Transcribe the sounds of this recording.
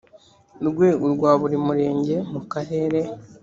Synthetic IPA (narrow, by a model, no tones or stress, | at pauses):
ɾɡwe̞uɾɡwaːβuɾimuɾe̞ːɲɟe̞mukaɦe̞ːɾe̞